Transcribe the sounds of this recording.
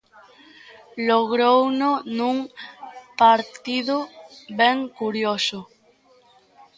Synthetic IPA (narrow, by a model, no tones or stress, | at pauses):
loɣɾownonũŋ | paɾt̪iðobeŋkuɾjoso